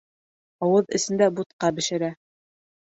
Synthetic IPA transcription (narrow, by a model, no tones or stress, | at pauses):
ɑwɤðɘ̆sɘ̆nd̪æbut̪̚qɑbɘ̆ʃɘ̆ɾæ